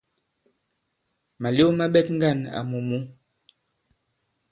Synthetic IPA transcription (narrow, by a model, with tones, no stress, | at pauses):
ma˨ljo˦ma˦ɓɛ˦t̚ŋ˦ɡa˦˨na̰˨mu˨mu˦